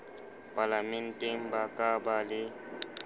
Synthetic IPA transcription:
pʼalamɛn̩tʼeŋ̩bakʼabalɪ

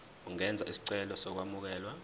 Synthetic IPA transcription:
uŋɛnd͡zʱaʔisi̥ǀɛlɔsɔk̬wamuk̬ɛːlwa

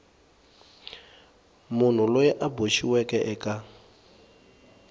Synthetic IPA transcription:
mun̤ulɔjɛʔaboʃiwɛkɛʔɛka

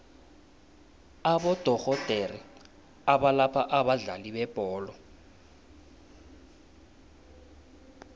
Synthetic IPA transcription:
aɓɔd̥ʱɔɣɔd̥ʱeri | aɓalapʰaʔaɓaɮaliɓɛb̥ʱɔːlɔ

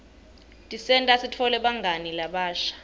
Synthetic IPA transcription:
tʼisɛntʼasitʰɔlɛɓaŋɡʱanilaɓaːʃḁ

